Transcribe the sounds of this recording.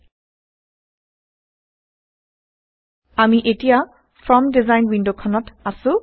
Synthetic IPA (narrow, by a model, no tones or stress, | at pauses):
amiʔetija | fʰɹɔmdizajnwindokʰɔnɔtasʊ̃